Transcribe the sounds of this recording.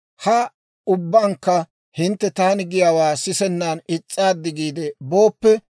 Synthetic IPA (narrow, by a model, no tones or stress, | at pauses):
hɐ | ʊbːɐŋkːɐ | hɪnt̪ːɛt̪aːnɪɡɪjaːwaːsɪsɛnːaːnɪt͡sʼːaːd̪ːɪɡiːd̪ɛbo̞ːpːɛ